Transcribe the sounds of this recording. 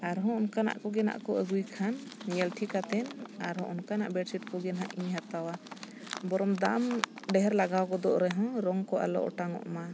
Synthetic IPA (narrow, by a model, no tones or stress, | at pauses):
aɾɦɔ̃ɔnkana̰ʔkɔɡɛna̰ʔkɔəɡujkʰanːijɛlʈʰikat̪ɛnaɾɦɔ̃ʔɔnkana̰ʔbɛɖsiʈ̚kɔɡɛnɦaʔiɲɦat̪awa | bɔɾɔmd̪am | ɖɛɦɛɾlaɡawkɔd̪ɔʔɾɛɦɔ̃ɾɔŋkɔʔa̰lɔ̰ʔɔ̰ʈaŋɔ̰ʔma